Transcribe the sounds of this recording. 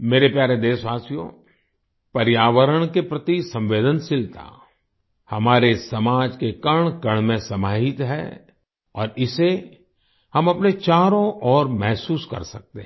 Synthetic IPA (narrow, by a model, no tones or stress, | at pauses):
meːɾepjaːɾed̪eːsʋaːsijõ̰ | pɐɾjaːʋəɾəɽ̃kepɾɐt̪isɐ̃mʋeːd̪ənsɪlt̪ʰa̰ | hɐmaːɾesɐmaːd͡ʒkekɐɽ̃kɐɳ̃mẽsɐmaːɦɪt̪ɦɛ̰ | ɔːɾɪse | hɐmɐpnet͡ʃaːɾõʔɔːɾmɛɦsuːskɐ̰ɾsɐk̚t̪eɦ